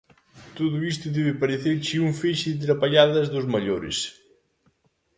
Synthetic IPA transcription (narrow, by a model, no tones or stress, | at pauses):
t̪oðʊist̪ʊðɛβɪpɐɾeθeɾt͡ʃiuɱfeʃɪðɪt̪̬ɾɐpaʎaðɐzðuzmɐʎoɾɪ̰s